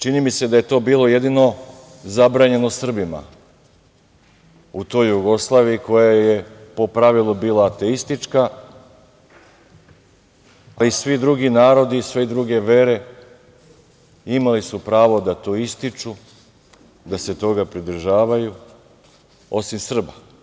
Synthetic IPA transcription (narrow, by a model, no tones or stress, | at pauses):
t͡ʃinimise̞d̪aje̞t̪o̞ːbiːlˠo̞je̞d̪ino̞ | zabɾaːɲe̞nosr̩bima̰ | ut̪o̞jːuɡo̞slˠaːʋijiko̞jaje̞po̞pɾaʋilˠubiːlˠaːt̪e̞ist̪it͡ʃka | alisʋid̪ɾuɡinaːɾo̞d̪isʋed̪ɾuɡe̞ʋe̞ɾe̞ | imalisupɾaːʋo̞d̪at̪o̞ist̪it͡ʃu | d̪ase̞t̪o̞ɡapɾid̪r̩ʒaːʋaju | o̞simsr̩ba